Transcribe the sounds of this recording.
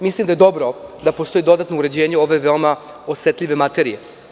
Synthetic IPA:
mislimd̪aje̞d̪o̞bɾo̞d̪apost̪o̞id̪o̞d̪at̪nouɾed͡ʑe̞ːɲeo̞ʋe̞ʋe̞oma | osʋet̪ʎʲiʋe̞mat̪e̞ɾije̞

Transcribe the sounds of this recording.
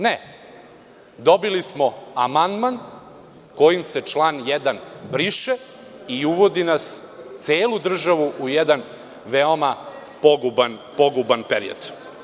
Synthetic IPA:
ne | d̪o̞bilismoamand̪man | ko̞jimse̞t͡ʃlaːnjɛd̪anbɾiʃe | iuʋo̞d̪inas | t̪seːlud̪r̩ʒaʋuʔujɛd̪an | ʋeoma | poɡubanpo̞ɡubanpeɾḭo̰d̪̥

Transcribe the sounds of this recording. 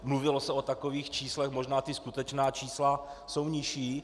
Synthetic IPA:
mluvɪlosɛot̪akoviːxt͡ʃiːslɛxmoʒnaːt̪ɪskut̪ɛt͡ʃnaːt͡ʃiːslaso̞wɲɪʃiː

